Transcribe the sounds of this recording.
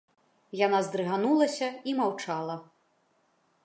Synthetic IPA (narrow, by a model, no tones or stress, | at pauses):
janazd̪ɾɨɣanulˠɐsʲɐimawt͡ʂalˠɐ